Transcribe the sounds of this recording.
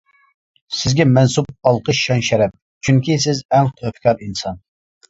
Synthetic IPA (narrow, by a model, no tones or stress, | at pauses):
sɪzɡʲɛmɛnsub̚ɑlˠqʰəʃʃɑnʃɛɾɛp̚ | t͡ʃʰyŋkʲis̬ɪzɛnt̪ʰøfkʲʰɑɾinsɑn